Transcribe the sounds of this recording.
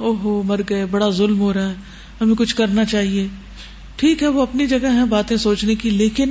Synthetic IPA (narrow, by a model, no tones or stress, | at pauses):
oːɦomɐɾɡɐebɐɽazʊlmɦoːɾaɦɛ | ɦɐmẽkʊt͡ʃʰkɐɾnat͡ʃaːɦieː | ʈʰiːkɦɛʋoɐpnid͡ʒɐɡəɦɦɛ̃baːt̪ẽsoːt͡ʃnekileːkɪn